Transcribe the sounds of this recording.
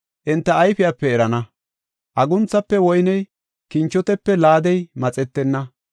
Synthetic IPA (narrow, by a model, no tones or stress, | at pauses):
ʔɪnt̪ːɐːjfɪjaːpːɛɛɾɐnɐ | ʔɐɡʊnt͡sːɐpːɛwɔjnɛj | kɪnt͡ʃːɔt̪ɛpːɛlaːd̪ɛjmɐt͡sʼɛt̪ːɛnːɐ